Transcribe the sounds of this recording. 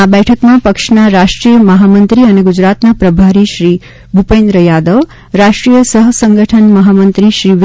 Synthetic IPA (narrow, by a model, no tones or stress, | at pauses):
abɛʈʰəkmãpəkʃnaɾaʃʈɾijəməɦamənt̪ɾiəneɡud͡ʒɾat̪napɾəbʱaɾiʃɾi | bʱupẽnd̪ɾəjad̪əʋ | ɾaʃʈɾijəsəɦsəŋɡəʈʰənməɦamənt̪ɾiʃɾiʋ